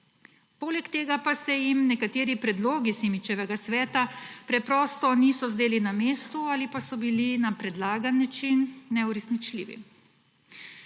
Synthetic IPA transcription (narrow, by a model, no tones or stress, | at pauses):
poːlɛkt̪eːɡapasɛjimnɛkat̪eːɾipɾɛd̪loːɡisemit͡ʃɛʋɛɡasʋɛːt̪apɾɛpɾɔːst̪ɔnisɔzd̪eːlinameːst̪uaːlipasɔbilinapɾɛd̪laːɡanːat͡ʃinːɛuɾɛsnit͡ʃlḭːʋḭ